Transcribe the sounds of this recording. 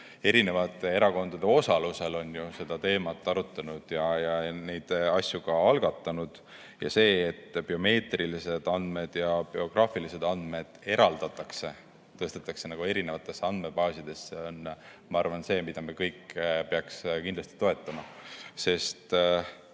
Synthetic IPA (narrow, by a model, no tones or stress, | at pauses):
e̞ɾine̞vɑt̪ːˑe̞e̞ɾɑko̞nd̪̥ɑd̪̥e̞o̞sɑluse̞lo̞njuse̞d̪̥ɑt̪e̞ːmɑt̪ˑːɑɾut̪ːˑɑnud̪̥jɑjɑne̞jd̪̥ɑsʲjuɡ̥ɑɑlɡ̥ɑt̪ˑːɑnud̪̥ | jɑ̰se̞ːt̪ːb̥io̞me̞ːt̪rilise̞d̪̥ɑnd̪me̞d̪̥jɑb̥io̞ɡ̥rɑːfilise̞d̪ɑnd̪̥me̞d̪̥e̞ɾɑld̪̥ɑt̪ːˑɑkse̞ | t̪ɤ̞st̪et̪ːˑɑkse̞nɑɡ̥ue̞ɾine̞vɑt̪ːˑe̞sːɑnd̪me̞bɑːsʲid̪e̞sːeo̞n | mɑɑrvɑnse̞ːmid̪̥ɑmekɤjkːpeɑkskind̪lɑst̪i̥t̪o̞e̞t̪ːˑɑmɑse̞st̪